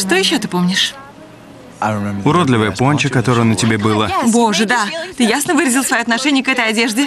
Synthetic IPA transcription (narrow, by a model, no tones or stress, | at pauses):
ʂt̪ojɪɕːo̞t̪ɨpo̞mnʲɪʂ | ʊɾod̪lʲɪvəjəponʲt͡ɕəkɐt̪o̞ɾəjənətʲɪbʲebɨlˠəbo̞ʐɨd̪at̪ɨjasnəvɨɾəzʲɪlˠsvɐjoɐt̪nɐʂɛnʲɪjəkɛt̪əjɐdʲeʐdʲɪ